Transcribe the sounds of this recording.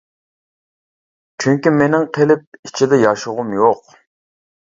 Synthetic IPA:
t͡ʃʰyŋkʲimenɪŋqʰelɪp̚it͡ʃʰid̪ɛjɑʃʊʁʊmjoq

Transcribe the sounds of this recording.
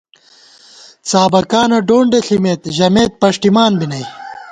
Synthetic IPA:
t͡saːbɐkaːnɐɖoːɳɖeɬimeːt̪ʑɐmeːt̪̚pɐʂʈimaːnbinɐj

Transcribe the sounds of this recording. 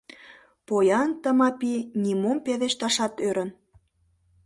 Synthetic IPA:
pojɑnt̪ə̆mɑpinʲimompeðeʃt̪ɑʃɑt̪øɾə̆n

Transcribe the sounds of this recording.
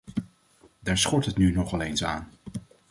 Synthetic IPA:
daːɹsχɔɹtɦətnynɔχɑlejnsa̰ːn

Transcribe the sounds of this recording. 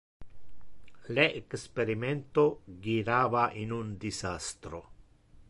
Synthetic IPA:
leʔekspeɾiment̪oɡiɾaβaʔinund̪isast̪ɾo

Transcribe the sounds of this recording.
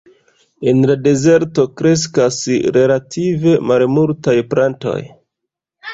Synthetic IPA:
e̞nlade̞ze̞ɾto̞kɾe̞s̬kasɾe̞latʰive̞malmultajplanto̞̰j

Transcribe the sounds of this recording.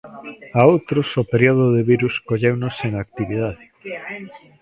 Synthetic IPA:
aowt̪ɾosopeɾioð̞oðeβiɾuskoʎewnoseŋak̚t̪iβiðaðɪ

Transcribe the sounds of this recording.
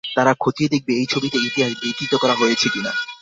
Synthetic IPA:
t̪aɾakʰot̪ied̪ek̚beejt͡ɕʰobit̪eit̪iɦaʃb̪ik̪ɾit̪okɔɾaɦojet͡ɕʰekina̰

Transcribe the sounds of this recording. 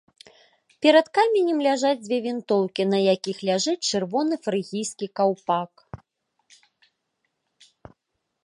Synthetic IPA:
pʲɛɾɐt̪kamʲɛnʲɛmlʲaʐad͡zʲd͡zʲvʲɛvʲint̪ɔwkʲinɐjakʲixlʲaʐɨt͡sʲt͡ʂɨrvɔnɨfɾɨɣʲijskʲikawpak

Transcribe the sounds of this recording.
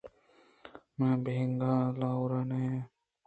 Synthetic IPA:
mãbʱeŋɡalawɾane

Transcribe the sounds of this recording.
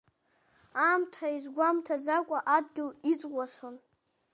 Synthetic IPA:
amtʰaizʷɡʷamtʰad͡zakʷʼaʔadɡʲɪlit͡sʼɡʷʼaʂon

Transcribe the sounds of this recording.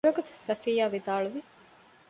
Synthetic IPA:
ɾɐɡut̪u̥sɐfiːjaːʋid̪aːɭuʋi

